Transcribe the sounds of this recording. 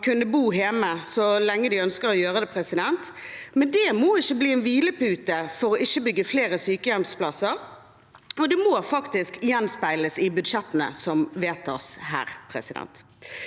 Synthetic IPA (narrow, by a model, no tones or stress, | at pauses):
kʰʉnːəbuːɦeːməsɔlɛŋːəd̪ɪœnskəʁɔjøːʁəd̪ɛpʰɾɛsɪd̪ɛnt̪mɛnd̪ɛmoːɪçːəbliːɛnʋiːləpʉːt̪əfɔɾɔʔɪçːəbʏɡːəfleːɾʁəsyːkəjɛmspʰlɑsəɾ | ɔd̪ɛmoːfɑkt̪ɪskjɛnspæɪləsɪbʉd̪ʂɛt̪ːənə̰sɔmʋeːt̪ɑ̰shæ̰ːʁpʰɾɛ̰sɪd̪ɛ̰nt̪